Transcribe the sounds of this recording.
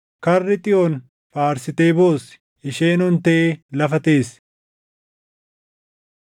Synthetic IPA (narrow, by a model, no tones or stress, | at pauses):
kɐrːɪt̪ʼɪʔon | faːɾsɪt̪eːbo̞ːsɪ̥ | ɪʃeːnɔnt̪ɐʔelɐfɐt̪e̞ːs